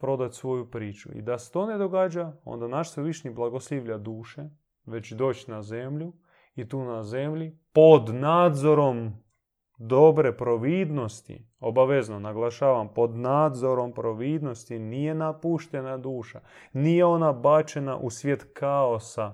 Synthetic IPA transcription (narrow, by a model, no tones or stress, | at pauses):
pɾo̞d̪at̪sʋo̞jupɾiːt͡ʃṵḭd̪ase̥t̪one̞d̪o̞ɡaːd͡ʒao̰nd̪anaʃsʋeʋiʃniblˠaɡo̞sliʋʎad̪uːʃe̞ | ʋe̞t͡ɕd̪o̞ːt͡ɕnaze̞mʎu | it̪uːnaze̞mʎipod̪naːd̪zo̞ɾo̞m | d̪obɾe̞pɾo̞ʋiːd̪no̞st̪ḭ | o̞baʋe̞znonaɡlˠaʃaːʋampo̞d̪naːd̪zo̞ɾo̞mpɾo̞ʋiːd̪no̞st̪inije̞napuʃt̪enad̪uːʃanijeo̞nabat͡ʃena̰ʔusʋje̞t̪kʰaosa